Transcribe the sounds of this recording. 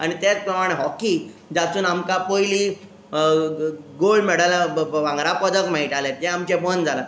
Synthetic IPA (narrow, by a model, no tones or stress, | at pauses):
aɽ̃it̪at͡spɾəmaɽ̃eɦɔki | d͡zat͡suːnamkapojliː | ɡolɖmɛɽalaʋãŋɡɾapɔd͡zək̚ʈmaɦiʈalet̪jɛ̃amt͡ɕɛbənd͡zʱala